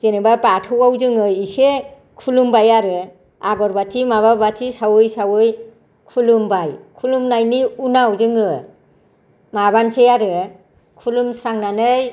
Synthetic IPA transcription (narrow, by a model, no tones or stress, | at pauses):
zenɯbabatʰɯwawzɯŋɯise | kʰulumbajaɾɯ | aɡɔɾbatʰimaβabatʰisawɯjsawɯj | kʰulumbajkʰulumnajniunawzɯŋɯ | mabansejaɾɯ | kʰulumsɾaŋnanɯj